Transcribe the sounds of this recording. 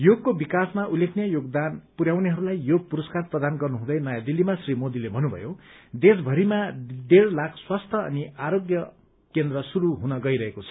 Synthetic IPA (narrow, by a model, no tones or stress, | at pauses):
joɡ̚kːobikasmaʔulːekʰnjajoɡd̪anpuɾjawneɦʌɾulajjoɡ̚puɾʌskarprʌd̪anɡʌrnuɦũd̪ʌjnʌjad̪ilːimasrimod̪ilebʱʌnubʱʌ̰jod̪esbʱʌɾimad̪eɾlakʰswast̪ʰʌʌ̰niaɾoɡjʌ | kend̪ɾʌsuɾuɦunʌɡʌiɾʌɦekot͡sʰʌ̥